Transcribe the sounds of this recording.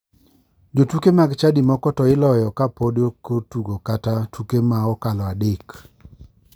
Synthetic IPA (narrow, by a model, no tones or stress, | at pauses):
d͡ʒotukemaɡt͡ʃadimɔkɔtɔɪlɔjɔkapodjokotuɡokatatukemaɔkalɔadɪk